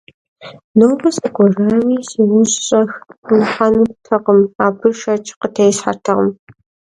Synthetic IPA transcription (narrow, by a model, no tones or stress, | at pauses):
noːbɐsʼɐɡʷɔrawiːsiːwʊɕɕʼɐxnɨħanɨtʰɐqəmaːbɨʃɐt͡ʃʼqətʰɐjɪsħa̰rtʰɐʁə̰m